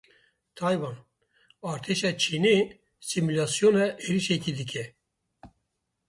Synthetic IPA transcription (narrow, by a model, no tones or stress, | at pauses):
t̪ʰɑjwɑn | ɑːɾt̪ʰeʃɑt͡ʃʰine | simulaːsijonɛʔeɾiʃekid̪ɨk̬ʰʲɛ